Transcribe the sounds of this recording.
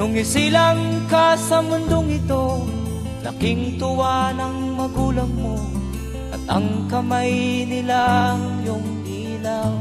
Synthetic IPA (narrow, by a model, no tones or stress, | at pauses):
nʊŋɪsilaŋkasɐmʊnd̪oŋɪt̪o̞ | lɐ̰kɪŋt̪ʊwanɐŋmɐɡuːlɐŋmo | ʔɐ̰t̪̚ɐ̰ŋkɐmajnɪlajʊŋʔiːlaw